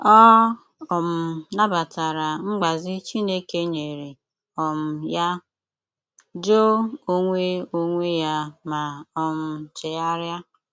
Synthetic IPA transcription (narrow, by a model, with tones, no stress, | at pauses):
ɔ˦ | ɔ˨m̩˨na˦ba˨ta˨ɾa˨ŋ͡m̩˦ɡ͡ba˨zɪ˦t͡ʃi˦ne˦ke˦ɲe˨ɾi˨ | ɔ˨m̩˨ja˦ | d͡ʒo˦o˦ŋʷe˦o˦ŋʷe˦ja˦ma˨ɔ˨m̩˨t͡ʃe˨ja˦ɾja˦